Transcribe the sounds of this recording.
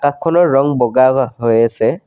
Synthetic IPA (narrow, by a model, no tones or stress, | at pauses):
kakʰːɔnɔɹɔŋbɔɡaɦojasɛ